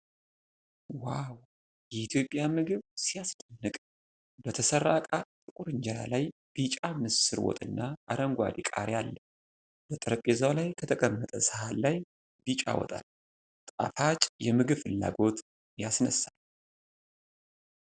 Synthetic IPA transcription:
waw | jɛit̪ʰjo̞pʼjamɨɡɨβsijasd̪ʼənːɨkʼ | bət̪ʰəsəɾːakʼat̪ʼɨkʼuɾɨɲd͡ʒɛɾa̰laj | b̥it͡ʃʼamɨsɨɾwo̰t̪ʼɨnːaʔaɾəŋɡʷa̰d̪ikʼa̰ɾjalːə | bət̪ʼɨɾəpʼezawlajkʰət̪ʰəkʼəmːət̪ʼəsəhallaj | bit͡ʃʼa̰wɔ̰t̪ʼa̰l | t̪ʼafat͡ʃʼjɛmɨɡɨβfɨlːa̰ɡo̞t̪ | jasnəsːal

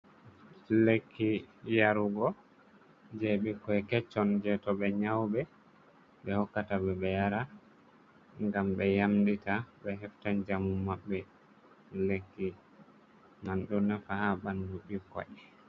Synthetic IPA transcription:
lekʰːijaɾuɡɔ | d͡ʒɛɓikɔɛkɛt͡ʃːɔnd͡ʒɛtɔbɛɲawbɛ | ɓɛhɔkːatabɛbɛjaɾa | ŋɡambɛjamditabɛɦɛftand͡ʒamumːaɓːɛ | lekːi | manɗunːafahabanduɗikɔ̰ʔ

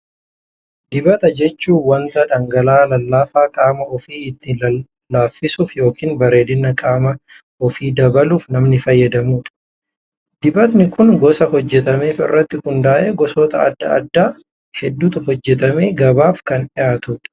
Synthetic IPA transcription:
d̪ɪbɐt̪ɐd͡ʒɛt͡ʃːuːwɐnt̪ɐᶑ̪ɐŋɡɐlaːlɐlːaːfaːkʼaːmɐɔfiːɪt̪ːɪː | aːfːɪsuːfjo̞ːkiːnbɐɾe̞ːd̪ɪnːɐkʼaːmɐ | ɔfiːd̪ɐbɐluːfnɐmnɪfɐjːɐd̪ɐmuːᶑɐ̥ | d̪ɪbɐt̪nɪkʊnɡɔsɐhɔd͡ʒːɛt̪ɐmeːfɪ̰rːɐt̪ːɪhʊnd̪aːʔeːɡɔsɔt̪ɐ̰ɐ̰d̪ːɐ̰ɐ̰d̪ːaː | hɛd̪ːuːt̪ɐhɔd͡ʒːɛt̪ɐmeːɡɐbaːfkɐnᶑɪjaːt̪uᶑ̥

